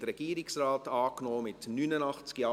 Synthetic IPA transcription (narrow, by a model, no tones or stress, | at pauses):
dəɾɛɡ̥iːɾɪksraːtɑːknoːmɪtnynənɑχt͡sɡ̥jɑː